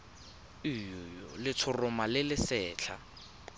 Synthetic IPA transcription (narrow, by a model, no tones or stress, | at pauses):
ijʊjɔlɪt͡sʰʊrʊmalɪlɪsɛːt͡ɬʰa̰